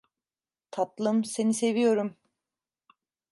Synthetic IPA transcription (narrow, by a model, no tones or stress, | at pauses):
t̪ʰat̪lˠɯmse̞nise̞vijo̞ɾum